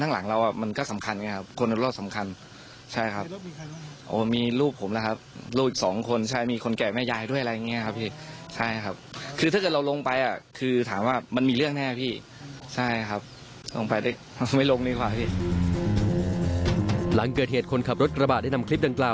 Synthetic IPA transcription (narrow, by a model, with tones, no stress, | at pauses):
t̪ʰaː˥˩ŋla˩˦ŋɾa˧wʔa˨˩ma˧nkɔː˥˩sa˩˦mkʰa˧n˨˧ŋ˧˥kʰa˦˥p̚kʰo˧n˧˦lo˧˥˩sa˩˦mkʰa˧n | t͡ɕʰa˥˩jkʰa˦˥p̚ | ʔoː˧˩miː˧ɾuː˥˩p̚ʰːo˩˦mla˧˥kʰa˦˥p̚ɾuː˥˩p̚i˨˩sɔː˩˦ŋkʰo˧nt͡ɕʰa˥˩jmiː˧kʰo˧nkɛː˨˩mɛː˥˩jaː˧jdu˥˩əʔa˧a˧ja˧ŋːi˦˥˩kʰa˦˥p̚ʰiː˥˩t͡ɕʰa˥˩jkʰa˦˥p̚kʰɯː˧t̪a˥˩ɤː˨˩t̪̚ɾa˧wlo˧ŋpa˧jʔa˨˩kʰɯː˧t̪ʰaː˩˦mwaː˥˩ma˧nmiː˧lɯ˥˩əŋnɛː˥˩pʰiː˥˩ | t͡ɕʰa˥˩jkʰa˦˥p̚ | lo˧ŋpa˧jdaː˥˩j | ma˥˩jlo˧ŋniː˧˥˩kʰwaː˨˩pʰiː˥˩ | la˩˦ŋkɤː˨˩t̪̚heː˨˩t̪̚kʰo˧nkʰa˨˩p̚ɾo˦˥t̪̚kɾa˧baː˨˩t̚da˥˩na˧mkʰli˦˥p̚da˧ŋklaː˨˩w